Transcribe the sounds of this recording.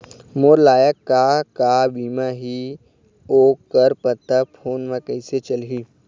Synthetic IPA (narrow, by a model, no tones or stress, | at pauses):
moːɾlaːjəkːakabiːmaɦi | oːkəɾpət̪ːəpʰoːnmãkɐɪset͡ʃəlɦiː